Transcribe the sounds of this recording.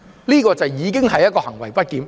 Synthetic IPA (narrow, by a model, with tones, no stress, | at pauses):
liː˥kɔː˧t͡sɐ˨wjiː˨˧k̬ɪ˥ŋɦɐ˨jːɐ˥kɔː˧hɐ˨˩ŋwɐ˨˩jpɐ˥t̚kiː˨˧m